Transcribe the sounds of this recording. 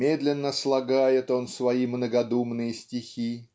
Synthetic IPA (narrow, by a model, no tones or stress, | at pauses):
mʲed̪lʲɪnːəslˠɐɡajɪt̪o̞nsvɐimnəɡɐd̪umnɨjəsʲtʲɪxʲi